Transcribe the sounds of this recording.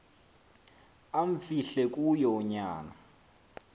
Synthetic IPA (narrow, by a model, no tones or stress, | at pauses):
aɱ̩fiɬɛkʼujɔɲaːna